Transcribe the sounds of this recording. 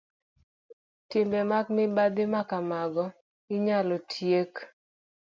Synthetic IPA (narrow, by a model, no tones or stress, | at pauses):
tɪmbemak̚mɪbad̪ɪmakamaɡɔ | ɪɲalɔtʰjek